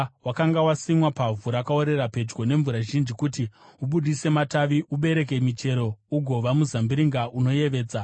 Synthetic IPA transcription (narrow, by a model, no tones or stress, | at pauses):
wakaŋɡawasimwapavuɾakao̞ɾe̞ɾape̞d͡ʒɡo̞ne̞ɱvuɾaʒind͡ʒikutiuɓuɗise̞mataʋiʔuɓe̞ɾe̞k̬e̞mit͡ʃe̞ɾo̞uɡʱo̞ʋamuzambiɾiŋɡaʔuno̞je̞ʋe̞ːd͡za